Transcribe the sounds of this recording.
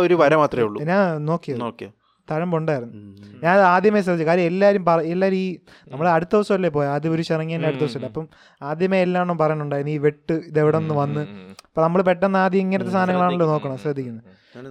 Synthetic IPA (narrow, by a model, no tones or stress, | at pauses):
oɾuʋɐɾɐmaːt̪rɐmeuɭːuɲaːno̞ːkːijɐðk | t̪ɐɻɐmbuɳɖaːjiɾunːuɲaːnaːd̪ʱjɐmes̬rɐd̪ʱit͡ɕːukaːɾjɐmelːaːɾumpɐrɐelːaːɾmiː | nɐmːɐɭɐɽut̪ːɐʋɐsːɐmɐlːep̬ːoːjaːd̪ɐmoɾuɕirɐŋːijaːnleɐɽut̪ːɐʋɐsɐmɐlːeɐpːɐm | aːd̪ʱjɐmeelːaːeɳoːpɐrɐɲɐɳːuɳɖaːjiɾunːiːʋeʈːɨiðeʋiɽeonːuʋɐnːɨɐpːoːnɐmːɐɭpe̞ʈːɐnːaːd̪jɐmiŋːɐnɐt̪ːes̬t̪ʰaːnɐŋːɐɭaːɳolːoːno̞ːkːɐɳɐmɕrɐd̪ʱːikʲːunːɐð